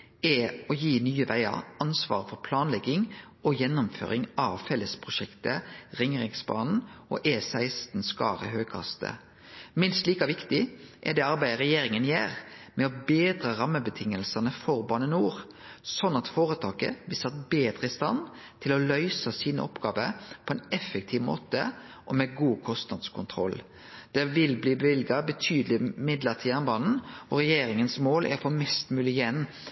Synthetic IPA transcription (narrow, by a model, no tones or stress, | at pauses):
ɛɔjiːnyːəʋæɪɑ̰ɾɑnsʋɑ̰ːʁfɔɾpʰlɑːnlɛɡɪŋ | ɔjɛnːʊmfø̰ːʁɾɪŋɑːʋfɛlːəspʰʁʊʃɛkt̪əʁɪŋʁɪŋsbɑ̰ːnn̩ɔ̰ʔeːsæɪst̪n̩skɑ̰ːʁə̰ɦøːɡ̚kʰɑ̰st̪ə̰ | mɪnst̪liːkɑʋɪkt̪ɪʔɛ̰d̪ɛːɑɾbæɪʁɛjeːɾɪŋənjḛːʁmɛɔbeːd̪ɾəʁɑmːəbət̪ʰɪŋːəlsɑnəfɔɾbɑːnənuːʁ | sɔnːɑt̪foːʁət̪ʰɑːkə̰bɪsɑt̪beːd̪ɾəɪst̪ɑ̰n | t̪ʰɪlɔlœʏsɑsiːnə̰ʔɔpɡɑːʋəɾpʰɔɛnɛfək̚t̪ʰiːʋmo̰ːt̪ə̰ | ʔɔmɛɡuːkʰɔst̪nɑd̪skʰʊnt̪ʰʁɔ̰l | d̪̥ɛʋɪlbliːbʋɪlɡɑbət̪ʰyːd̪lɪmɪd̪ləʁt̪ʰiːɑnbɑːnn̩ɔɾɛjeːɾɪŋənsmoːlʔæ̰ɾfɔmɛst̪mʉːlɪjɛnː